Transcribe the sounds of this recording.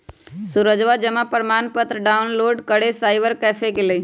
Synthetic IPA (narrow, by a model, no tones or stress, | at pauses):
sʊɾəd͡ʒʋad͡ʒəmapəɾmaːnpət̪ɾəɖaʊnloːɖkəɽesaːɪbəɾkɛːfʰekele